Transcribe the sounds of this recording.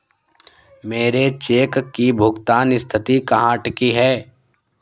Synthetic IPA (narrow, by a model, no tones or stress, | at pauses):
meːɾet͡ʃeːkkːibʱʊɡt̪aːnɪst̪ʰɪt̪ikɐɦãːʈkiɦɛː